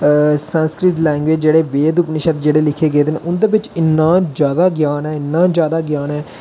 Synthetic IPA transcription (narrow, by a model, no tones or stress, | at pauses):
sənskɾɪʈ̪lɛ̃ːŋɡʋeːd͡ʒd͡ʒeːɽeːʋeːd̪ʊpnɪʃət̪d͡ʒeːɽeːlɪkʰeːɡeːd̪eneʔʊnd̪eːbɪt͡ʃɪnːãːd͡ʒjaːd̪aːɡjaːnɛːɪnːãːd͡ʒjaːd̪aːɡjaːnɛː